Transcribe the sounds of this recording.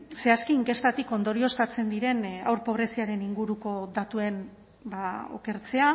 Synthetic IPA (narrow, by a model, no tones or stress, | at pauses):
se̞askiːŋke̞st̪at̪iko̞nd̪o̞ɾio̞st̪at͡se̞nd̪iɾe̞na̰wɾpo̞βɾe̞siaɾe̞niŋɡuɾuko̞ðat̪ue̞n | bao̰ke̞ɾt͡se̞a